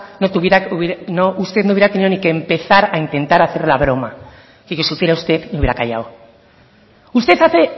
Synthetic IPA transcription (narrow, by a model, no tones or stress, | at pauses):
not̪uβjeanoust̪eðnouβjeɾat̪eniðo̞nike̞mpe̞θaɾaint̪ẽ̞nt̪aɾaθe̞ɾlaβ̞ɾo̞ma̰ | keʝosufje̞ɾaust̪e̞ðniuβjeɾakaʝa̰w | ust̪e̞θaθe̞